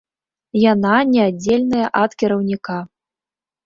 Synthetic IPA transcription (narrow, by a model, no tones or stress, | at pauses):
jananʲɛad͡zʲːelʲnɐjɐʔat̪kʲɛɾɐwnʲika